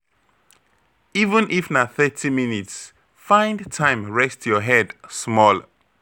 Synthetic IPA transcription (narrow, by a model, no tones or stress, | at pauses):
ivə̃nʔifnaθɛtʰiminits | fãɪ̃ndtʰãɪ̃mɹɛstjɔɦɛdsmɔl